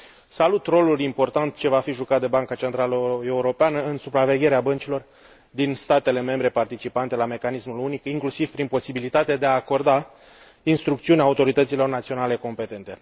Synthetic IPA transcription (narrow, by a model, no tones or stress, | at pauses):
salut̪ro̞lulimpo̞rt̪ant̪t͡ʃe̞vafiʒukat̪̚d̪e̞baŋkat͡ʃe̞nt̪ɾaləe̞uɾo̞peanəɨnsupɾave̞ɡʲe̞ɾeabənt͡ʃilo̞r | d̪inst̪at̪e̞le̞me̞mbɾe̞part̪it͡ʃipant̪e̞lame̞kanismulunikiŋklusiv̥pɾinpo̞sibilit̪at̪ed̪e̞aːko̞rd̪a | inst̪ɾukt̪siuneaːut̪o̞ɾit̪ət̪silo̞rnat̪sio̞nale̞ko̞mpe̞t̪e̞nt̪e̞